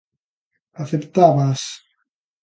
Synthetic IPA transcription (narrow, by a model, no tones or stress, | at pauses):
aθept̪aβas